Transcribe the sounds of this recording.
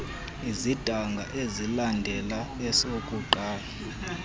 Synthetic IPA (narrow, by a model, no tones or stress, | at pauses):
izid̥ʱaŋɡʱa̰ʔezilandʱɛla | ɛsokʼuǃʱaːla